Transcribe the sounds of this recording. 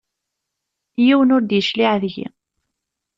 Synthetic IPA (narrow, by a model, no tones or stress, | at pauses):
jiwənʊɾd̪jəʃliʕðʝḭ